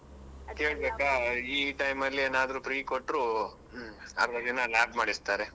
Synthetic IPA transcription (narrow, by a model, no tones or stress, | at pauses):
ke̞ːɭbeːkaiːʈɐjmɐlːieːnaːd̪ɐɾupɾiːkoʈːɾu | ɐ̰ɾɾɐd̪inɐlaːbmaːɽist̪aːɾe